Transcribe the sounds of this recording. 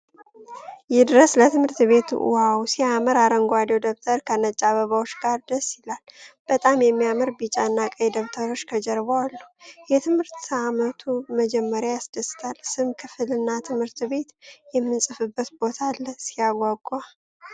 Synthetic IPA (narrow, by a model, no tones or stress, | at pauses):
jɛd̪ɨɾəslət̪ʰɨmhɨɾt̪βe̞t̪ʰṵʔṵhawsiaməɾaɾəŋɡʷad̪iod̪ok̚t̪ʰəɾkʰənət͡ʃʼaβəβawo̞t͡ʃːɡaɾd̪əsɪlalb̥ət̪ʼamjɛmːijamɨɾbit͡ʃʼaɨnːakʼəjd̪oβt̪ʰəɾo̞t͡ʃːkʰəd͡ʒɛɾβoalːujɛt̪ʰɨmhɨɾt̪amət̪ʰuməd͡ʒɛmːəɾjajasd̪əst̪ʰalsɨmkʰɨfɨlɨnːat̪ʰɨmhɨɾt̪be̞t̪jɛmːɨnsʼɨfɨbːət̪bo̞t̪ʰalsijaɡʷwaɡʼa